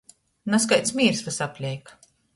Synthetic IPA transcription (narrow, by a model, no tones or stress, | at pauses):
nas̬kajt̪smʲiːɾsvasapʲlʲɛjk